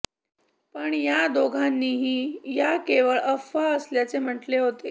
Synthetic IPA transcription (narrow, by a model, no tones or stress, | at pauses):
pəɳjad̪oɡʱanːiːɦiːjakeʋəɭəfaəsljat͡sem̤əʈleɦot̪e